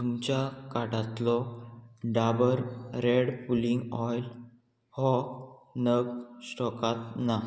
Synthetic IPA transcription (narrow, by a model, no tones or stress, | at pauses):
t̪umt͡ɕakaʈat̪lɔ | ɖabəɾɾeɽpuliŋɡɔjl | hɔnəɡsʈɔkat̪na